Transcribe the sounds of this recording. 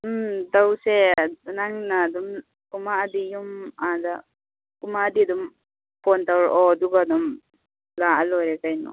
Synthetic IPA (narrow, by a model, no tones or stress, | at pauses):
d̪awsɛnaŋnad̪ɔm | kumaad̪ijumad̪a | kumaːd̪id̪ɔm | pʰɔnt̪awɾɔd̪uɡad̪ɔm | laalɔɾɛkajnɔ̰